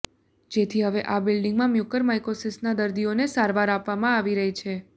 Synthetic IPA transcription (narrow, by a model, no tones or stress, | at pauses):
d͡ʒet̪ʰiɦəʋeʔabɪlɖɪŋɡmãmjukəɾmajkosɪsnad̪əɾd̪ionesaɾʋaɾapʋamãaʋiɾəɦit͡ʃʰe